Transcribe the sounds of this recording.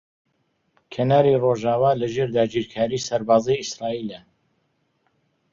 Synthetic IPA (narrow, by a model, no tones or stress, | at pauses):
kʰɐnaːɾiroʒaːwaːlɐʒeːɾd̪aːd͡ʒiːɾkʰaːɾiːsɐɾbaːzijisɾaːiːlə